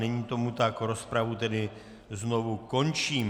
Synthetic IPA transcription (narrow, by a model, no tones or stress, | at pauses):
ɛɲiːt̪o̞mut̪akɾo̞spɾavut̪ɛdɪ | znovuko̞nt͡ʃiːm